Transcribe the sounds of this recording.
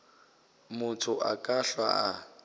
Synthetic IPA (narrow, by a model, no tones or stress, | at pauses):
mʊtʰʊʔakʼaɬwa̰a